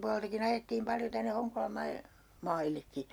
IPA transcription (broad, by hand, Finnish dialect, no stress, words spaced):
puɑleltɑkin ɑjetːiːm pɑljo tænːe hoŋkolɑm mɑi mɑilːekːi